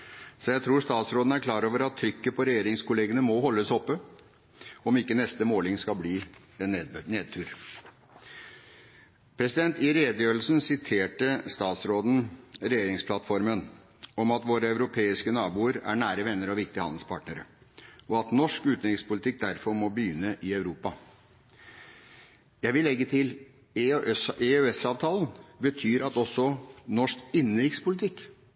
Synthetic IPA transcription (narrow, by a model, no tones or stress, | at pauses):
sɔjæɪt̪ʰɾuːʂt̪ɑːt̪sɾoːd̪n̩æɾkʰlɑːɾoːʋəɾɑt̪ʰːɾʏkːəpʰɔɾɛjeːɾɪŋskʰʊleːɡənəmɔhɔlːəsɔpːə | ɔmɪkːənɛst̪əmoːlɪŋskɑbliː | ɛneːd̪̚t̪ʰʉːɾ | pʰɾɛsɪd̪ɛnt̪ɪɾed̪jøːɾl̩snsɪt̪ʰeːʈəst̪ɑːt̪sɾoːd̪n̩ɾɛjeːɾɪŋspʰlɑt̪fɔɾmən | ɔmɑt̪ʋoːɾəɑʉɾʊpʰeːɪskənɑːbuːəɾæ̰ɳæːɾəʋɛnːəɾɔʋɪk̚t̪ɪəhɑ̰nlspʰɑ̰ːʈnəɾə̰ɔɑt̪nɔʂkʉːt̪nɾɪkspʊlɪt̪ɪk̚d̪æɾfɔɾmɔbəjʏnːəʔɪɑʉɾuːpɑ | jæɪʋɪlːɛɡːət̪ʰɪl | ɛøɛsɑːʋt̪ʰɑːln̩bət̪ʰyːɾɑt̪ɔsːɔnɔʂkɪnːəɾɪkt̪spʊlɪt̪ʰɪkː